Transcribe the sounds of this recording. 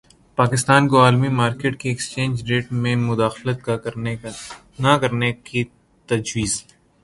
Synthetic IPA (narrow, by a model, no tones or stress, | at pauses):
paːkɪst̪aːnkoaːlmimaːɾkeːʈ̚kiɛkst͡ʃẽːnd͡ʒɖeːʈmẽmʊd̪aːxlət̪̚ka | nɐkɐɾneki | t̪ɐd͡ʒwiːz